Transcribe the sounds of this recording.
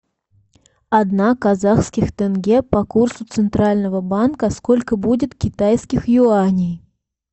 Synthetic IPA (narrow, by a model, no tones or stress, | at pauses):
ɐd̪nakɐzaxskʲɪxt̪ɛnɡʲepɐkursʊt̪sɨnt̪ɾalʲnəvəbankəskolʲkəbudʲɪt̪kʲɪt̪ajskʲɪxjʊanʲɪj